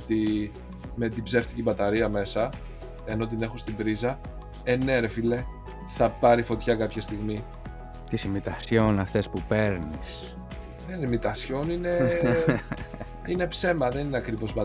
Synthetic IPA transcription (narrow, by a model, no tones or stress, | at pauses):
t̪i | me̞t̪ibze̞ft̪i̥cibɐt̪ɐɾiɐme̞sɐ | e̞no̞t̪̬ine̞xust̪ibɾizɐ | eneɾefile̞ | θɐpɐɾifo̞t̪çɐkɐpçɐst̪iɣmi | t̪isimit̪ɐsçonɐft̪e̞spupe̞ɾnis | ðenimit̪ɐsço̞nine̞ | ine̞pse̞mɐðe̞nineɐkɾivo̞sbɐ